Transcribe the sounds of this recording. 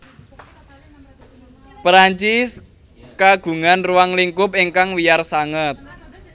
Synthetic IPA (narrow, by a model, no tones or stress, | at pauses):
pɾaɲt͡ʃɪs | kaɡ̥ṳŋanruwaŋliŋkʊp̚iŋkaŋwijarsaŋət̪̚